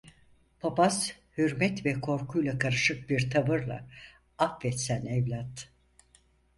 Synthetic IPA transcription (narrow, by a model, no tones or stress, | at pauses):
pʰapas | hyɾmɛt̪vɛkʰo̞ɾkʰujlˠakʰaɾɯʃɯk̚biɾt̪ʰavɯɾlˠa̰ | afːɛt̪sænɛvlʲat̪